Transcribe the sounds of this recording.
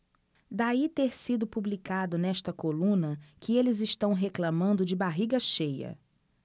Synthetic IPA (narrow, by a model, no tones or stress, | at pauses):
d̪ait̪eɾsid̪ʊpublikad̪ʊnɛʃt̪ɐkolũnɐkɪelɪzɪʃt̪ɐ̃w̃ɦeklɐmɐ̃nd̪ʊd͡ʒɪbaɦiɡɐʃejɐ̰